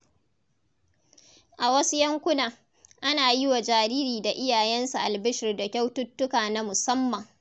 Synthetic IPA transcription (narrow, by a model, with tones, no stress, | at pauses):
ʔa˨wɐ˦su˦jɐ˦ŋkʷʊ˦naː˨ | ʔa˦naː˨jɪ˦wa˨d͡ʒaː˨ɾiː˦ɾiː˨da˨ʔɪ˦jaː˨jɛ˦nsu˨ʔa˨lbɪ˦ʃɪ˨rda˨kʲa˦wtʊ˦tːʊ˦kaː˨na˦mʊ˨sɐ˦mːɐ˨ŋ